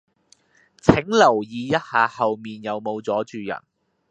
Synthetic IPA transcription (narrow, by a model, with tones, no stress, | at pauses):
t͡sʰɪ˨˥ŋlɐ˨˩wjiː˨˧jɐ˥t̚haː˨˧hɐ˨wmiː˨njɐ˨˧wmo˨˧wt͡sɔː˨˥t͡ʃyː˨˧jɐ̰˨˩n